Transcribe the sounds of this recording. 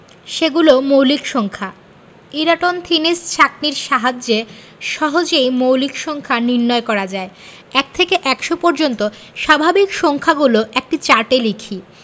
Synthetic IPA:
ʃeɡulomowlikʃɔŋkʰa | iɾaʈont̪ʰinist͡ɕʰak̚niɾʃaɦad͡ʑe | ʃɔɦod͡ʑejmowlikʃɔŋkʰaniɾnɔekɔɾad͡ʑae | ɛk̚t̪ʰekeʔɛkʃopɔɾd͡ʑont̪o | ʃabʱabikʃɔŋkʰaɡuloʔek̚ʈit͡ɕaɾʈelikʰi

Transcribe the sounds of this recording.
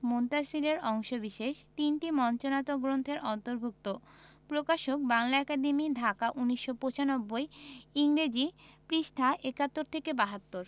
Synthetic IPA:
mont̪asileɾɔŋʃobiʃeʃt̪inʈimɔnt͡ɕonat̪oɡɾont̪ʰeɾʔɔnt̪oɾbʱuk̚t̪opɾokaʃok̚baŋlaɛkad̪emid̪ʱakaʔuniʃːopot͡ɕanobːoeiŋɾed͡ʑipɾiʃt̪ʰaʔekat̪ːoɾt̪ʰekebaɦat̪ːoɾ

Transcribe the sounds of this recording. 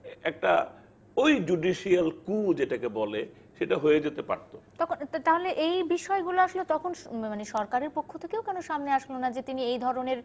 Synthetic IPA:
ɛk̚ʈa̰ | ojd͡ʑuɖiʃialkud͡ʑeʈakebɔle | ʃeʈaɦojed͡ʑet̪epa̰ɾt̪ot̪ɔkʰont̪aɦoleʔejbiʃɔeɡuloaʃlot̪ɔkʰonmaneʃɔɾkaɾeɾpokʰːot̪ʰekeokɛnoʃamneaʃlonad͡ʑet̪iniejd̪ʱɔɾoneɾ

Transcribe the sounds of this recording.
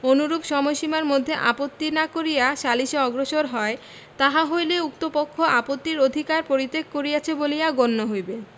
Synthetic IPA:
onuɾubʃɔmojʃimaɾmod̪ʱːeʔapot̪ːinakoɾijaʃaliʃeɔɡɾoʃoɾɦɔe | t̪aɦaɦojleukt̪opokʰːoʔapot̪ːiɾod̪ʱikaɾpoɾit̪ːekkoɾijat͡ɕʰebolijaɡonːoɦojbe

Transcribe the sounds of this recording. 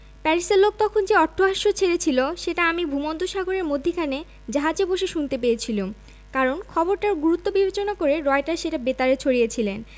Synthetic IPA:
pɛɾiselːok̚t̪ɔkʰond͡ʑeɔʈʰːoɦaʃːot͡ɕʰeɾet͡ɕʰiloʃeʈaamibʱumont̪uʃaɡoɾeɾmod̪ʱːikʰane | d͡ʑaɦad͡ʑeboʃeʃunt̪epeet͡ɕʰilum | kaɾonkʰɔboɾʈaɾɡuɾut̪ːobibet͡ɕonakoɾeɾɔeʈaʃeʈabet̪aɾet͡ɕʰoɽijet͡ɕʰilen

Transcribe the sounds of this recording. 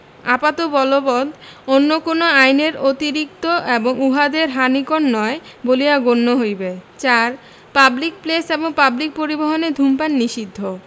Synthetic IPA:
apat̪obɔlobɔd̪onːokonoajneɾot̪iɾik̚t̪oeboŋuɦad̪eɾɦanikonːɔebolijaɡonːoɦojbet͡ɕaɾ | pablik̚pleseboŋpablik̚poɾiboɦoned̪ʱumpanːiʃid̪ʱːo

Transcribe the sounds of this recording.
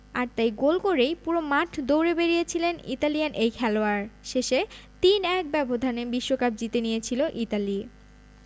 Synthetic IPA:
aɾt̪ajɡolkoɾejpuɾomaʈʰd̪owɾebeɾijet͡ɕʰilenḭt̪alijanʔejkʰɛloaɾʃeʃet̪inɛk̚bɛbod̪ʱanebiʃːokap̚d͡ʑit̪enijet͡ɕʰiloʔit̪ali

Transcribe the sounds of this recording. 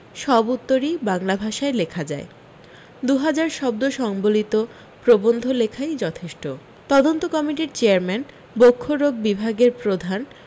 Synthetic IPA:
ʃɔbut̪ːoɾibaŋlabʱaʃaelekʰad͡ʑae | d̪uɦad͡ʑaɾʃɔb̚d̪oʃɔŋbolit̪o | pɾobond̪ʱolekʰajd͡ʑɔt̪ʰeʃʈo | t̪ɔd̪ont̪okɔmiʈiɾt͡ɕeaɾmɛn | bokʰːoɾoɡ̚bibʱaɡeɾpɾod̪ʱan

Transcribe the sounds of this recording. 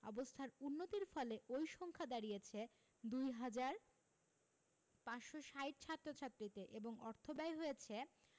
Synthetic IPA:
ɔ̰bost̪ʰaɾunːot̪iɾfɔleʔojʃɔŋkʰad̪aɾijet͡ɕʰe | d̪ujɦad͡ʑaɾ | paʃoʃajʈ̚t͡ɕʰat̪ːɾot͡ɕʰat̪ːɾit̪eʔeboŋɔɾt̪ʰobajɦojet͡ɕʰe

